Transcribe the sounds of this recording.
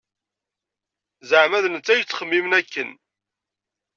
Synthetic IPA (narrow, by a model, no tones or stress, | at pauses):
zəʕmæðnət͡sːæjət͡sːχəmːimnækːən